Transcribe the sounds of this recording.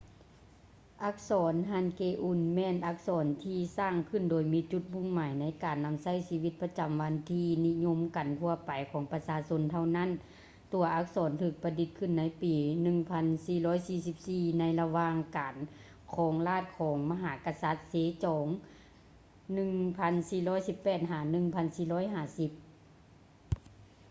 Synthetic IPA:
ʔa˧˥k̚sɔː˨˦nhaː˧˥˨nkeː˧˩ʔu˧˩nmɛː˧˨nʔa˧˥k̚sɔː˨˦nt̪ʰiː˧saː˧˩ŋkʰɯ˧˥˨ndoː˨˩jmiː˧˥t͡ɕu˧˦t̪̚bu˧˥˨ŋmaː˨˦jna˧˥jkaː˨˩nːa˧˥msa˧˥˩jsiː˧ʋi˧˦t̪̚pa˧t͡ɕa˨˩mʋa˧nt̪ʰiː˧ni˧˥ɲo˧˥˨mka˨˩nk̪ʰu˧ɐpa˨˩jkʰɔː˨˦ŋpa˧saː˧so˧˥nt̪ʰa˧˩wna˧˥˨n | t̪u˨˩ɐʔa˧˥k̚sɔː˨˩˦nt̪ʰɯː˧˩k̚pa˧di˧˦t̪̚kʰɯ˧˥˨nːa˧˥jpiː˨nɯ˧ŋpʰa˧˥nsiː˧˩lɔː˧˥˨jsiː˧˩si˧˦p̚siː˧˩na˧jla˧waː˧ŋkaː˨˩n | kʰɔː˨˦ŋlaː˧˥˩t̪̚kʰɔː˨˦ŋma˧ɦaː˨˧˦ka˧sa˧˦t̪̚seː˨˦t͡ɕɔː˨˦ŋ | nɯ˧ŋpʰa˧˥nsiː˧˩lɔː˧˥˨jsi˧˦pːɛː˧˩t̪̚ɦaː˨˧˩nɯ˧ŋpʰa˧˥nsiː˧lɔː˧˥jɦaː˧˩si˧˦p̚

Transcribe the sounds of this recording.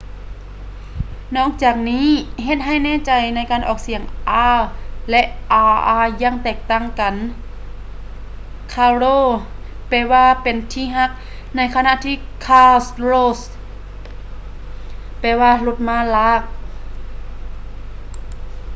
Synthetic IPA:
nɔː˧˩˨k̚t͡ɕaː˨˩k̚niː˦˥˨ɦe˧t̪̚ɦa˧˩jnɛː˧˨t͡ɕa˨˩jna˧˥˩jkaː˨˩nʔɔː˨˩k̚si˨˩əŋʔaː˧˥lɛ˧ʔʔaː˧˩ʔaː˧˩jaː˧˥˨ŋt̪ɛː˨˩k̚t̪a˧˩˨ŋka˨n | kʰaː˧loː˧˩˨ | pɛː˧waː˧pe˨nt̪ʰiː˧ɦa˧˥k̚ | na˧˩jkʰa˧na˧˨ʔt̪ʰiː˧˨kʰaː˧sloː˧˩s | pɛː˧˩waː˧lo˧t̪̚maː˧˥˨laː˧˥˩k̚

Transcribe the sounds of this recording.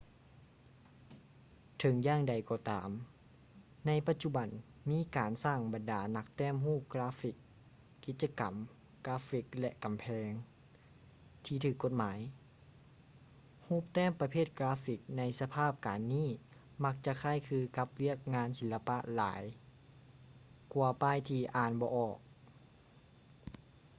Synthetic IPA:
t̪ʰɤ˨˦ŋjaː˧˥˨ŋda˨˩jkɔː˧t̪aː˨m | na˧˥jpa˧t̪̚t͡ɕu˧ba˨˩n | miː˧˥˨kaː˨nsaː˧˥˩ŋba˨ndaː˨˩na˧˥k̚t̪ɛː˥˩˨mɦuː˥˩p̚klaː˧˥fi˧˦kː | i˧˦t̪̚t͡ɕa˧ka˨˩m | klaː˧˦˥fi˧˦˥k̚lɛ˧ʔka˨mpʰɛː˧ŋ | t̪ʰiː˧˩t̪ʰɯː˧˩kːo˧t̪̚maː˨˦j | huː˥˩p̚t̪ɛː˥˩mpa˧pʰeː˥˩t̪̚klaː˧˦˥fi˧˩k̚na˧˥jsa˧pʰaː˥˩p̚kaː˨nːiː˥˩ | ma˧k̚t͡ɕa˧kʰa˧˥˩jkʰɯː˧ka˧˦p̚wi˥˩ək̚ŋaː˧˥nsi˨˦la˧pa˧˥ʔla̰ː˨˦j | ku˧˩ɐpaː˧˥˨jt̪ʰiː˧ʔaː˧nbɔː˧˦ʔɔː˨˩k̚

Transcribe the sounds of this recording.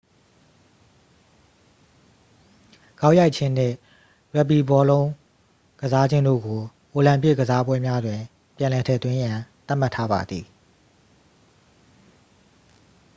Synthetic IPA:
ɡ̥a˦ʊʔja˦ɪʔt͡ɕʰɪ̃˦n̥ɪ̰̃˦˨ | ɹɛ˦˨p̬i˨bɔ˦lõ˦ʊ̃ | ɡ̥əza˦d͡ʑɪ̃˦ndo̰˦˨ɡo˨ | ʔo˨lã˨mpɪ˦˨ɡə˨za˦bwɛ˦mja˦dwɪ̃˨ | pjã˨lɛ˨tʰɛ˨t̪wɪ̃˦jã˨t̪a˦˨m̥a˦tʰːa˦ba̰˨d̪ði˨

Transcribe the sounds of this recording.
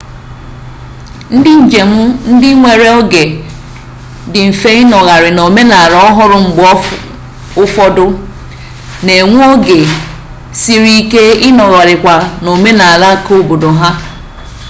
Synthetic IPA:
n̩˦dɪ˦n̩˨d͡ʒe˨mʊ˦n̩˦dɪ˦ŋʷe˨ɾe˦ɔ˦ɡe˨ | dɪ˨m̩˨fe˦ɪ˦nɔ˨ɣa˨ɾɪ˨no˨me˦na˨ɾɔ˦ɦʊ˦ɾʊ˨ŋ͡m̩˨ɡ͡b | ʊ˦fɔ˦dʊ˦ | ne˨ŋʷ˦o˦ɡe˨ | si˦ɾi˦ke˦ɪ˦nɔ˨ɣa˨ɾɪ˨kʷa˨no˨me˦na˨ɾa˦˨ko˦˨bo˨do˨ɦa˦

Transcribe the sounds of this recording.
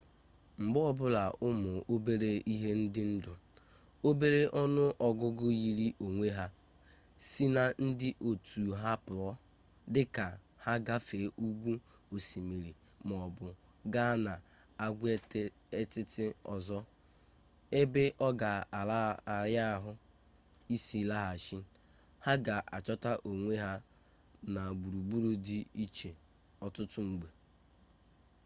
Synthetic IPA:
ŋ͡m̩˨ɡ͡bɔ˦ɔ˦˨bʊ˦la˨ʊ˦mʊ˨o˦be˦ɾe˦i˦ɦe˦n̩˦dɪ˦n̩˦dʊ˨ | o˦be˦ɾe˦ʔɔ˦nʊ˦ʔɔ˨ɡʊ˦ɡʊ˦ji˦ɾi˦ʔo˨ŋʷe˦ɦa˦ | si˦na˦n̩˦dɪ˦ʔo˨tʰu˨ɦa˦pʊ˨ɔ˦ | dɪ˦ka˨ | ha˦ɡa˦fe˨˦u˦ɡʷu˦ | o˨si˨mi˨ɾi˨ | m˨ɔ˨bʊ˨ | ɡa˦na˨ | a˨ɡʷe˦ | e˦tɪ˦tɪ˦ɔ˨zɔ˦ | e˦be˦ʔɔ˦ɡa˨a˨la˦˨ɾja˦˨ɦʊ˦ | i˦si˦la˦ɦa˨ʃi˦ | ha˦ɡa˨ʔa˨t͡ʃɔ˦ta˦ʔo˨ŋʷe˦ɦa˦ | na˨ɡ͡bu˨ɾu˨ɡ͡bu˦ɾu˦di˦i˦t͡ʃe˨ | ɔ˨tʊ˦tʊ˦ŋ͡m̩˨ɡ͡be˨

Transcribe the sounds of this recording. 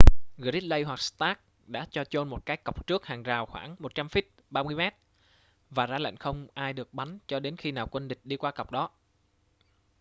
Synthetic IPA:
ɣɨ̰˨˧˨zi˦˥t̚lə˧jɦwa˨˩k̚st̪aː˦˥k̚ | ɗa̰ː˧˥t͡ɕɔ˧t͡ɕo˧nmo˨˩t̚kaː˨˦jkə˨˩wk͡p̚t͡ɕɨ˦˥k̚haː˨˩ŋzaː˨˩wxwaː˧˩ŋmo˨˩t̚t͡ɕa˧mfi˦˥t̚ɓaː˧mɨ˧əjmɛ˦˥t̚ | vaː˨˩zaː˧lə̰˧˨jŋ̟xə˧wŋ͡mʔaː˧jɗɨ˨˩ək̚ɓa˨˦nt͡ɕɔ˧ɗe˨˦nxi˧naː˨˩wkwə˧nɗï˨˩k̟̚ɗi˧kwaː˧kə˨˩wk͡p̚ɗɔ˨˦

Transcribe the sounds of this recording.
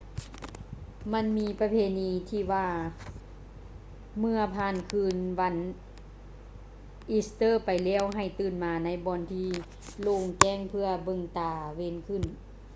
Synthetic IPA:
ma˧˥˨nmiː˧˥pa˧pʰeː˧˨niː˧t̪ʰiː˧˩waː˧ | mɯ˧ɐpʰaː˧˩˨nkʰɯː˧˥˨nwa˧˥n | ʔi˧˥st̪ɤː˧˥˨pa˨jlɛː˧˩˨wɦa˧˩jt̪ɯː˧˩nmaː˧na˧˥˨jbɔː˧˥nt̪ʰiː˧ | loː˧˩˨ŋkɛː˧˥˨ŋpʰɯ˧ɐbɤ˧˨ŋt̪aː˨˩we˧˥˨nkʰɯ˧˩n

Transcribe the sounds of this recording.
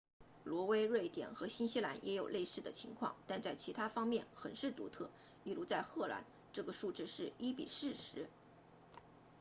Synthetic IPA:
lwɔ˧˥we˥ɪɻwe˥˩ɪt̪jɛ̰˨˩nxɤ˧˥ɕi˥nɕi˥la˧˥njʔɛ˧˥jo˨˩ʊlʔe˥˧ɪʂɻ̩˥˩d̪ə̰˩t͡ɕʰi˧˥ŋkʰwɑ̰˥˧˩ŋt̪a˥˧nt͡sa˥˩ɪt͡ɕʰi˧˥t̪ʰa˥fɑ˥ŋmjɛ˥˩nxə˨˩nʂɻ̩˥˩t̪ṵ˧˥t̪ʰɤ˥˩ | i˥˩lu˧˥t͡sa˥˧ɪxɤ˥˩la̰˧˥n | ʈ͡ʂɤ˥˩ɡə˩ʂu˥˧ʈ͡ʂɻ̩˥˧ʂɻ̩˥˩i˥pḭ˨˩ʂɻ̩˥˩ʂɻ̩˧˥

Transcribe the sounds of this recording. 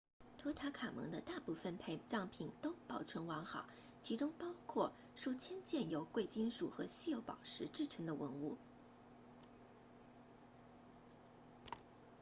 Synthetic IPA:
t̪ʰɤ˥t̪ʰa˧˥kʰa˨˩mɤ̰˧˥ŋd̪ə˧t̪a˥˧pu˥˩fə˨˩npʰe˥˧ɪʈ͡ʂɑ˥˩ŋpʰi˨˩nt̪o˥ʊpɑ˨˩ʊʈ͡ʂʰwə˧˥nwɑ˧˥ŋxɑ˨˩˦ʊ | t͡ɕʰi˧˥ʈ͡ʂʊ˥ŋpɑ˥ʊkʰwɔ˥˧ | ʂo˥˧ʊt͡ɕʰjɛ˥nt͡ɕjɛ˥˩njo˧˥ʊkwe˥˩ɪt͡ɕi˥nʂu˨˩xɤ˧˥ɕi˥˩jo˧˥ʊpɑ˨˩ʊʂɻ̩˧˥ʈ͡ʂɻ̩˥˩ʈ͡ʂʰɤ˧˥ŋd̪ə˧wə˧˥nu˥˩

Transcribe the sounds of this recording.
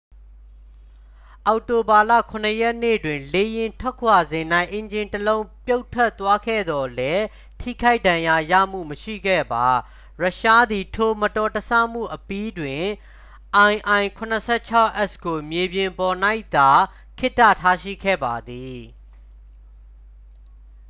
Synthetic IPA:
ʔa˨ʊʔto˨ba˨lä̰˦˨kʰʊ̃˨nəjɛ˦ʔnḛ˦˨dwɪ̃˨le˦jɪ̃˨ntʰwɛ˦˨kʰwa˨zɪ̃˨na˦ɪʔẽ˨ɲd͡ʑɪ̃˨ntəlõ˦ʊ̃pjo˦ʊtʰːɛ˦ʔt̪ːwa˦kʰɛ̰˦˨d̪ɔ˨lɛ˦ | tʰḭ˦˨kʰa˦ɪʔdã˨ja˨jä̰˦˨m̥ṵ˦˨məʃḭ˦˨ɡɛ̰˦˨ba˨ | ɹa˦˨ʃa˦d̪i˨tʰo˨mətɔ˨təsa̰˦˨m̥ṵ˦˨ʔəpi˦dwɪ̃˨ | ʔã˨ɪ̃ʔã˨ɪ̃ŋkʰʊ˨nəsʰɛ˦˨t͡ɕʰa˦ʊʔɛ˦sɡo˨mje˨bjɪ̃˨mpɔ˨na˦ɪʔt̪a˨ | kʰɪ˦tːä̰˦˨tʰa˦ʃḭ˦˨kʰɛ̰˦˨ba˨d̪i˨

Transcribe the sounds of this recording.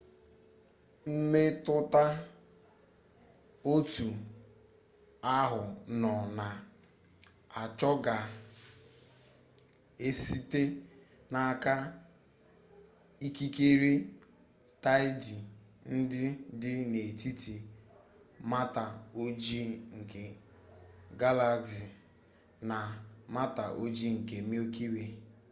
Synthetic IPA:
m̩˦me˦tʊ˦ta˦ | o˦tu˨ | a˦ɦʊ˨nɔ˨na˨ | a˨t͡ʃɔ˦ɡa˨ | e˦si˦te˦ | na˨ka˦ | i˦ki˦ke˦ɾi˦ | ta˦ɪ˦d͡ʒi˨ | n̩˦dɪ˦dɪ˦ne˨ti˦ti˨ | ma˦ta˨o˦d͡ʒi˦ŋ̩˨ke˨ | ɡa˦la˦ksi˨ | na˨ | ma˦ta˨ʔo˦d͡ʒi˦ŋ̩˨ke˨mi˦o˦ki˦we˨

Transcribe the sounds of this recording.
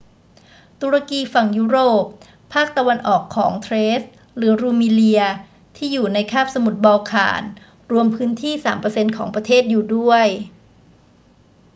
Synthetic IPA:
t̪uː˧ɾa˧kiː˧fa˨˩ŋjuː˦˥ɾoː˨˩p̚ | pʰːaː˥˩k̚t̪a˧wa˧nʔɔː˨˩kʰːɔ̰ː˩˦ŋt̪ʰɾeː˦˥s | ɾɯ˩˦ɾuː˧miː˧li˧ɐ | t̪ʰiː˥˩juː˨˩na˧jkʰaː˥˩p̚sa˧mu˨˩t̪̚bɔː˧kʰa̰ː˨˩˦n | ɾu˧əmpʰɯː˦˥nt̪ʰiː˥˩saː˩˦mpɤ˧se˧nkʰɔː˩˦ŋpɾa˧t̪ʰeː˥˩t̪̚juː˨˩du˥˩əj

